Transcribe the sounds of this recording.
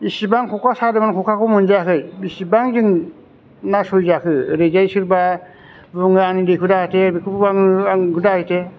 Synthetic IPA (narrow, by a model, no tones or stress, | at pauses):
isibaŋkʰɔkʰasadɯmankʰɔkʰakɔmunzakʰɯjisibaŋzɯŋ | nasɔjzakʰɯɾezajsɯɾba | bɯŋɯanidekʰɯdaatʰebikʰɯpubanɯakudahajtʰe